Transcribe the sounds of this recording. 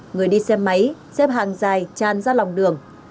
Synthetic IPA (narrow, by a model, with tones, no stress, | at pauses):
ŋɨ˨˩əjɗi˧sɛ˧mːə˨˦jsɛ˦˥p̚ɦa̰ː˧˨ŋzaː˨˩jt͡ɕaː˨˩nzaː˧la˨˩wŋ͡mɗɨ˨˩əŋ